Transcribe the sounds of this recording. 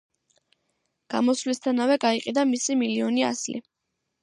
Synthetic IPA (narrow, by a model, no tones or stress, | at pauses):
ɡ̥a̰mɔslist̪ʰanavɛɡaiqʼid̪amisimiliɔnia̰slḭ